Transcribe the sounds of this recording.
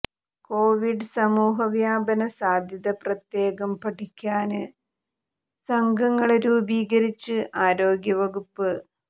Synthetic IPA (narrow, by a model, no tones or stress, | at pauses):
koːʋiɖɨsɐmuːɦɐʋjaːbɐnɐsaːd̪ʱjɐðɐprɐt̪je̞ːɡɐmpɐʈʰikʲːaːnɨ | sɐŋɡʱɐŋːɐɭeɾuːbiːɡɐɾit͡ɕːɨʔaːɾo̞ːɡjɐʋɐɡupːɨ